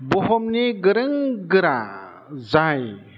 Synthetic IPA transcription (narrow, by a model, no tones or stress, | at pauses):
bɔɦɔmniɡɯɾɯŋɡɯɾa̰ | zaj